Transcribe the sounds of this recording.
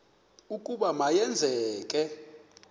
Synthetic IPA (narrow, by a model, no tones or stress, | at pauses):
ukʼuɓamajɛnd͡zʱɛːk̬ʼɛ